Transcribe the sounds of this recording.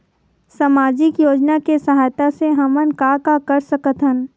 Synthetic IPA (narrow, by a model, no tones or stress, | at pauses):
samaːd͡ʒɪkjoːd͡ʒnakesɐɦaːjt̪aseɦɐmənkakakɐɾsɐkət̪ɦən